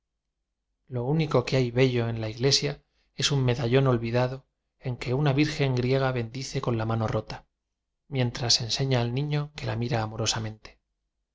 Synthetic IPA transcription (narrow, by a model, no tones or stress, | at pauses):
lo̞uniko̞ke̞ajβe̞ʎo̞e̞nlaiɣle̞sja | e̞summe̞ðaʎo̞no̞lβiðaðo̞ | e̞ŋke̞unaβiɾxe̞ŋɡɾje̞ɣ̞aβe̞nd̪iθe̞ko̞nlamano̞ro̞t̪ḁ | mje̞nt̪ɾase̞nse̞ɲaːlnĩɲo̞ke̞lamiɾaːmo̞ɾo̞samẽ̞nt̪e̥